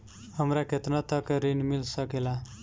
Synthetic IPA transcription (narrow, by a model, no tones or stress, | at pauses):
həmɾaket̪nat̪əkɾinmilsəkela